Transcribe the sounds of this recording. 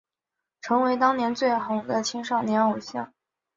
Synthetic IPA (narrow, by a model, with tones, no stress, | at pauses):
ʈ͡ʂʰɤ˧˥ŋwe˧˥ɪt̪ɑ˥ŋnjɛ˧˥nt͡swe˥˩ɪxʊ˧˥ŋd̪ə˧t͡ɕʰi˥ŋʂɑ˥˩ʊnjɛ˧˥no˨˩ʊɕjɑ̰˥˩ŋ